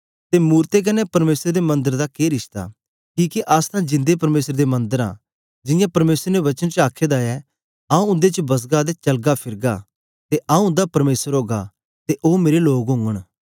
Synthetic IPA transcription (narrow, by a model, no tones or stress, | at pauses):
t̪emuːɾt̪ek̬ɐnɛpɐɾmeːsəɾd̪emɐ̃nd̪əɾd̪akeɾɪʃt̪a̰ | kiːkiʔast̪ʰãːd͡ʒɪ̃nd̪epɐɾmeːsəɾd̪emɐ̃nd̪əɾã̰ | d͡ʒɪ̃jãpɐɾmeːsəɾnɛʋɐt͡ʃənt͡ʃaːkʰeːd̪aɛ | ãːũʊ̃nd̪et͡ʃəbɐs̬ɡaːd̪et͡ʃɐlɡapʰɪɾɡa | t̪eʔãːũʊ̃nd̪apɐɾmeːsəɾɦoːɡa̰ | t̪eʔoːmeːɾeloːɡɦʊ̃ŋɡəɽ̃